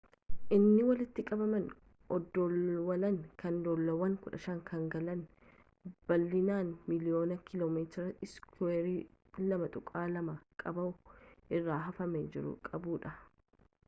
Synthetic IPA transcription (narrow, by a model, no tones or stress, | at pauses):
ʔɪnːɪwɐlɪt̪ːɪkʼɐbɐmɐn | ɔd̪ːɔwɐlɐŋkɐnd̪oːlːɐwɐŋkʊᶑɐʃɐŋkʰɐŋɡɐlɐn | b̥ɐlːɪnaːnmɪlɪjo̞ːnɐkʰɪloːmeːt̪ɾɐɪskweːɾiː | lɐmɐt̪ʼʊkʼaːlɐmɐkʼɐbɐʊʔɪrːaːɦɐfɐmɛd͡ʒɪɾʊ̰kʼɐbuːᶑɐ